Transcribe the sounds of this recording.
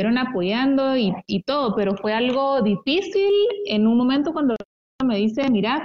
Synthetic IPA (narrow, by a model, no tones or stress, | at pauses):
eɾo̞napo̞ʝand̪o̞iit̪o̞ð̞o̞pe̞ɾofwe̞alɣ̞o̞ðifisile̞nunmomẽnt̪o̞kwand̪o | ame̞ðise̞miɾa